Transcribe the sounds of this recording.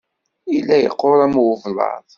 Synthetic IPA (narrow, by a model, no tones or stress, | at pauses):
ilːæjə̰qːoɾˤæmwvlɑ̰ðˤ